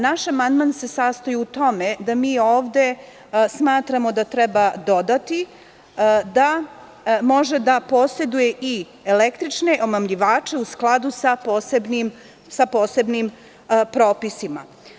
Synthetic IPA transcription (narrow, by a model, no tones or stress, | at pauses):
naʃamand̪manse̞sast̪ajuut̪o̞me̞d̪amiːoːʋd̪e̞ | smaːt̪ɾamo̞d̪at̪ɾɛbad̪o̞d̪at̪i | d̪a | mo̞ʒe̞d̪apo̞ːse̞d̪uje̞ʔi | elekt̪ɾit͡ʃne̞ʔo̞mamʎiʋaːt͡ʃe̞usklˠad̪usaposebnim | sapo̞ːse̞bnim | pɾoːpisima̰